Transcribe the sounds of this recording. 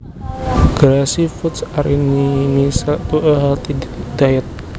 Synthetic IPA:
ɡ̥ɾasifut̪saɾinimisat̪uʔəɦalt̪id̪ajɛt̪̚

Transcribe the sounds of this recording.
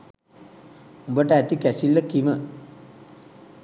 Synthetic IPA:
ubəʈəæt̪ikæsilːəkimə

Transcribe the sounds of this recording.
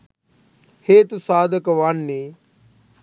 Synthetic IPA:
heːt̪saːd̪əkʋanːeː

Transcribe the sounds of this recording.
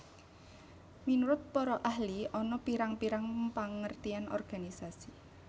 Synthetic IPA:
minuɾʊt̪̚pɔɾɔʔahliɔnɔpiɾaŋpiɾaŋpaŋərt̪ianɔ̰rɡ̥anisasi

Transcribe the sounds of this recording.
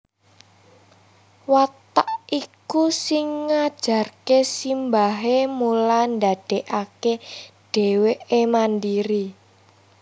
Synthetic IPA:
wat̪aʔʔikusɪŋːad̥ʒ̥a̤rkesimbaɦemuland̪ad̥eʔakeɖ̥e̤weʔemandiɾi

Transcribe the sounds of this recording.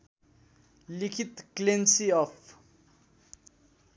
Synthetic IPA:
likʰit̪klensiɔpʰ

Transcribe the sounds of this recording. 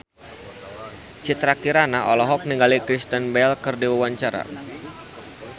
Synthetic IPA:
t͡ʃit̪ɾakiɾanaʔɔlɔɦɔk̚niŋɡalikɾist̪ənbɛlkərdiwawaɲt͡ʃaɾa̰

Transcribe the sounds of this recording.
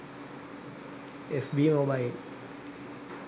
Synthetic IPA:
efbimobail

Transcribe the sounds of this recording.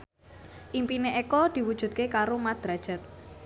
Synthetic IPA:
ʔimpineʔekɔd̪̥i̤wud̥ʒ̥ṳd̪̚kekaɾomad̪̥ɾad̥ʒ̥ɛ̤t̪̚

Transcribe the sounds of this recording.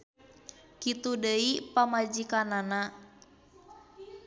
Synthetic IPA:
kit̪udəipamad͡ʒikanana

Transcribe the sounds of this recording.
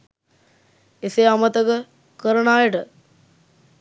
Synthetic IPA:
eseamət̪əkə | kəɾəɳaːjəʈə

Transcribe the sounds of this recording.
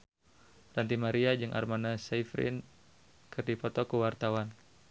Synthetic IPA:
rant̪̬imaɾiad͡ʒɨŋʔa̰rmanasaifɾɪ̰n | kɨrdipɔt̪ɔkəwart̪awan

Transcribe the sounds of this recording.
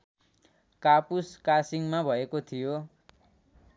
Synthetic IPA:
kapuskasiŋmabʱʌekot̪ʰijo

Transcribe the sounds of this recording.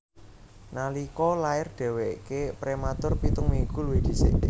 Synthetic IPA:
nalikɔlaɪrd̥ɛ̤wekepɾemat̪ʊrpit̪ʊŋmiŋɡuluwed̪̥i̤sḛ

